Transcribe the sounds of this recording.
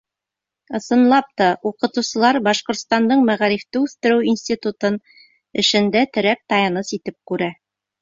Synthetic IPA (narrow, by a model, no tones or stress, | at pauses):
ɤ̆sɤ̆nlˠɑp̚t̪ɑuqɤ̆t̪uwsɤ̆lˠɑɾbɑʃqŏɾt̪st̪ɑnd̪ɤɴmæʁɑɾift̪ɘʉθt̪ɘ̆ɾɘwinsʲt̪ʲit̪ut̪ɤn | ɘ̆ʃɘ̆nd̪æt̪ɘ̆ɾæk̚t̪ɑjɑnɤsit̪ɘp̚kʉɾæ